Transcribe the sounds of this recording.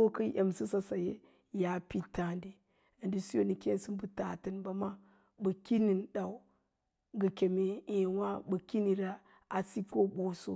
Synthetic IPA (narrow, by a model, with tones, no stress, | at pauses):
o˦kə˦jʔe˨msi˦sa˦sa˨jḛ˦ | ja˨pi˦ta˨ndi˨ | a˨ndi˦su˦jo˦˨ni˨ke˦nsi˦mbu˨ta̰˨tə˨nba˨ma˦ | bə˨ki˦ni˨nɗa˨u˨˦ | ɡə˨kʲe˨me˨e˨wa˦bə˨ki˦ni˨ɾa˦ | a˨si˦ko˦bo˨so̰˦